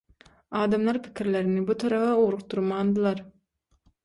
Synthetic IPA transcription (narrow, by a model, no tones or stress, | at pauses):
ɑːd̪ɑmlˠɑɾpʰi̥kʰʲiɾleɾinibut̪ʰɑɾɑʁɑuɾuq̚t̪uɾmɑːnd̪ɯlˠɑɾ